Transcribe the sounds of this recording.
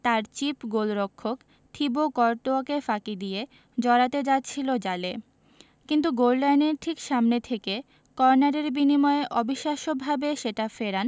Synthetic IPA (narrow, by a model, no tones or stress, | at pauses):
t̪aɾt͡ɕipɡolɾokʰːok | t̪ʰibokɔɾʈoakefakid̪ije | d͡ʑɔɾat̪ed͡ʑat̪ːɕʰilod͡ʑale | kint̪uɡollajneɾʈʰikʃamnet̪ʰeke | kɔɾnaɾeɾbinimɔeʔɔbiʃːaʃobʱabeʃeʈafeɾan